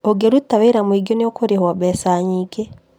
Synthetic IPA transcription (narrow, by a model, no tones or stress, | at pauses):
oɡeɾutaβaiɾamwiɡjoniokoɾihwaβesaɲiɡe